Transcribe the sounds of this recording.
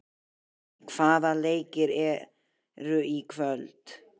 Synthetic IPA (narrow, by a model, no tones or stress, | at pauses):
kʰv̥aːðalejkɪɾɛ | ɾʏikʰvœlt̪